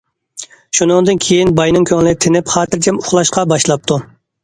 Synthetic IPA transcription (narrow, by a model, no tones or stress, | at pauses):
ʃunɨŋd̪ɨnkʲʰejinbɑjnɨŋkʲʰøŋlɪt̪ʰɪnɪpχɑːt̪ɨɾt͡ʃʰɛmʊχlˠɑʃqɑbɑʃlˠɑp̚t̪ʰu